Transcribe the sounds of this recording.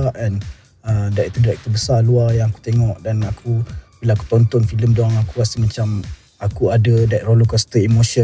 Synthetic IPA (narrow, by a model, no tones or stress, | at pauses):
aʔɛn | ədait̪udiɾɛk̚t̪əbəsaluajãŋaku̥t̪eŋɔʔdanakʰub̥ilaːku̥t̪ɔnt̪ɔnfiləmdoaŋakuɾasəmat͡ʃam | akuadadaʔɾolokast̪əimoʃə